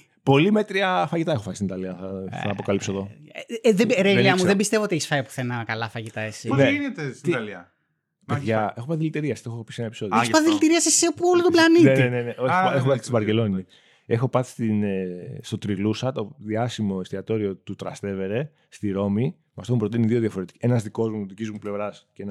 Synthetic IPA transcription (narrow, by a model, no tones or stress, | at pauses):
po̞lime̞t̪ɾiɐfɐʝit̪ɐe̞xo̞fɐsist̪init̪ɐliɐθɐɐːpo̞kɐlipsoðo̞ðeɾeliɐmuðembist̪eot̪ieçisfɐjpu̥θenɐkɐlɐfɐʝit̪ɐesineinet̪eiɐliɐ | ppeðʝɐe̞xopɐθilit̪iɾiɐst̪exopisienɐepi̥so̞ðjespaðilit̪iɾiɐsiseopuolot̪oblɐnitnenineneʔoexopɐθi̥st̪ovɐɾcelo̞ni | e̞xo̞pɐθi̥st̪inst̪ot̪ɾilusɐt̪o̞ðiɐsimo̞ist̪iɐt̪o̞ɾio̞t̪ut̪ɾɐst̪e̞ve̞ɾe̞ | st̪iɾo̞mi | mɐft̪omupɾo̞t̪iniðio̞ðjɐfo̞ɾe̞t̪ienɐzðiko̞zmuðicizmuplevɾɐsceen